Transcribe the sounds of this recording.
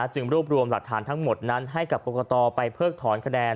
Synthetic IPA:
t͡ɕɯ˧ŋɾuː˥˩p̚ɾu˧əmla˨˩k̚t̪ʰaː˩˦nt̪ʰa˦˥ŋmo˨˩t̪̚na˦˥nɦa˥˩jka˨˩p̚koː˧kʰːt̪ɔː˧pa˧jpʰɤː˥˩k̚t̪ʰɔː˩˦nkʰa˧dɛː˧n

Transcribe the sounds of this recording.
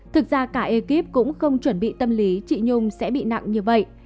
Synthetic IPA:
t̪ʰɨ˨˩k̚zaː˧kaː˧˩ʔe˧ki˦˥p̚kʊ̰˧˥ŋ͡mxə˧wŋ͡mt͡ɕwə˧˩nɓḭ˧˨t̪ə˧mli˨˦t͡ɕḭ˧˨ɲʊ˧ŋ͡msɛ̰˧˥ɓḭ˧˨na̰˧˨ŋɲɨ˧və̰˧˨jʔ

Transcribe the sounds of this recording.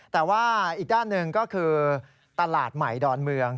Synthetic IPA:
t̪ɛː˨˩waː˥˩ʔiː˨˩k̚daː˥˩nːɯ˨˧ŋkɔː˥˩kʰɯː˧ | t̪a˧laː˨˩t̪̚ma˨˩jdɔː˧nmɯ˧əŋ

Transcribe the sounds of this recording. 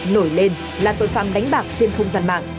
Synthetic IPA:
no˧˩jle˧n | laː˨˩t̪o̰˨˧˨jfaː˨˩nɗa˨˦ŋ̟ɓaː˨˩k̚t͡ɕe˧nxə˧wŋ͡mzaː˧nma̰ː˧˨ŋ

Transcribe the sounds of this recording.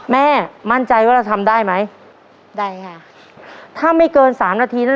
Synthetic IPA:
mɛː˥˩ma˥˩nt͡ɕa˧jwaː˥˩ɾa˧wt̪ʰa˧mdaː˥˩jma˦˥j | daː˥˩jkʰa˥˩ | t̪ʰaː˥˩ma˥˩jkɤː˧nsaː˩˦mnaː˧t̪ʰiː˧na˥˩

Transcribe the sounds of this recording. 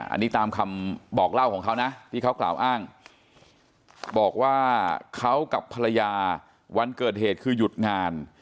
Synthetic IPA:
ʔa̰˧nːiː˦˥t̪aː˧mkʰa˧mbɔː˨˩k̚la˥˩wkʰɔː˩˦ŋkʰa˦˥wna˦˥t̪ʰiː˥˩kʰa˦˥wkla̰ː˨˩wʔaː˥˩ŋ | bɔː˨˩k̚waː˥˩kʰa˦˥wka˨˩pʰːa˧ɾa˧jaː˧ | wa˧nkɤː˨˩t̪̚heː˨˩t̪̚kʰɯː˧ju˨˩t̪̚ŋaː˧n

